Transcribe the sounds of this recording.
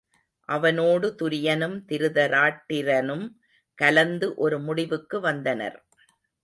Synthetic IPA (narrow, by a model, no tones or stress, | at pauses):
ʔɐʋɐnoːɽɯt̪ʊɾɪjɐnɯmt̪ɪɾɯðɐɾaːʈːɪɾɐnɯm | kɐlɐnd̪ɯʔɔɾɯmʊɽɪʋɯkːɯʋɐnd̪ɐnɐ̰ɾ